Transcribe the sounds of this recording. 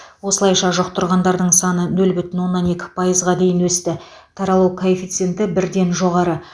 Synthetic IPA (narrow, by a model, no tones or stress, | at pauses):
wo̞səlˠɑjʃɑʒʊqt̪ʊɾʁɑnd̪ɑɾd̪əɴsɑnənɵlbʏt̪ɪnwo̞nːɑne̞kʲɪ̥pʰɑjəzʁɑd̪e̞jɪnwɵst̪ɪ | t̪ʰɑɾɑlˠuwkʰoefʲit̪sent̪ɪbɪɾd̪e̞nʒo̞ʁɑɾə